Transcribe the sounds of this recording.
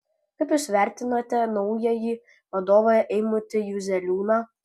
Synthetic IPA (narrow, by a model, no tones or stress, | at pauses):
kɐɪpjuːsʋʲæˑɾʲt̪ʲɪnoːt̪ʲɛnɐʊjɛjiː | ʋɐd̪oːʋoːjɛʔɛɪmʊt̪ʲɪjuzʲɛlʲuːnɑ